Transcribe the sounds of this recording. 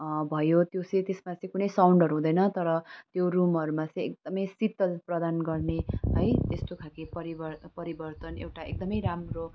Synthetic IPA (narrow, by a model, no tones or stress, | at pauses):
bʱʌjot̪jot͡sʌĩt̪esmat͡sʌ̃ĩkunʌjsawɳɖʌɾuɦũd̪ʌjnʌt̪ʌɾʌt̪jorumɦʌɾumat͡sʌ̃j̃ek̚d̪ʌmʌjsit̪ːʌlprʌd̪anɡʌrneɦʌjt̪est̪okʰakepʌɾibʌpʌɾibʌrt̪ʌnḛwʈaḛk̚d̪ʌmʌjɾamro